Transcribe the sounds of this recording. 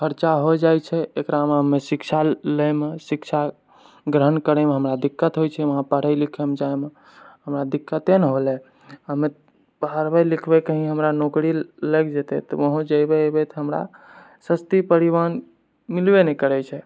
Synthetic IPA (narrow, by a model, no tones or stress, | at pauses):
kʰəɾt͡ʃaɦod͡ʒajt͡ʃʰɛekɾameɦəmesikt͡ʃʰaləmesikt͡ʃʰa | ɡɾənkəɾɛmeɦəmɾad̪ikːət̪ɦojt͡ʃʰɛʋəɦãpəɽ̤əjlikʰɛmed͡ʒaeme | ɦəmɾad̪ikːət̪enɦolɛ | ɦəme | pəɦəɾbɛlikʰbɛkəɦĩɦəmɾanokɾiləɡd͡ʒet̪ɛ̰t̪ɔ̰ʋəɦũd͡ʒəjbebɛt̪ɦəmɾa̰ | səst̪ipəɾiβan | milbenekəɾɛt͡ʃʰɛ